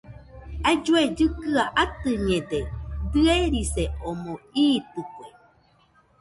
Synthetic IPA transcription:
ad͡ʒued͡ʒɨkɨaʔat̪ɨɲẽd̪ed̪ɨeɾiseomõiːt̪ɨkʷe

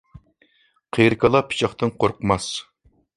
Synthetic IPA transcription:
qʰeɾkʰɑlˠɑpʰi̥t͡ʃʰɑχt̪ɨnqʰoɾqʰmɑs

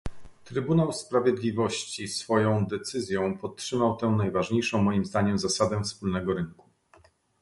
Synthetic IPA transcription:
t̪ɾɘbunawspɾavʲjɛd̪lʲivɔɕt͡ɕisfɔjɔ̃w̃d̪ɛt̪sɘzʲjɔ̃w̃pɔt̪ːʂɘmawt̪ɛ̃w̃najvaʐɲejʂɔ̃w̃mːɔjimzd̪aɲɛmzasad̪ɛfspulnɛɡɔɾɘŋku̥

